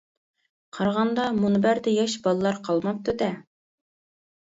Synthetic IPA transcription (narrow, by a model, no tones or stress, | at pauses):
qʰɑɾʁɑnd̪ɑmunɨbæɾd̪ɛjɑʃbɑlˠɨlˠɑɾqʰɑlˠmɑp̚t̪ʰud̪ɛ